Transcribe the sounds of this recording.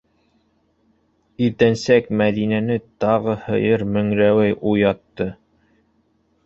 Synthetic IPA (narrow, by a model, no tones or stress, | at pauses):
iɾt̪ænsækmæðinænɘt̪ɑʁɤhɤ̰̆jɤɾmɵ̆ŋɾæwæjʔujɑt̪ːɤ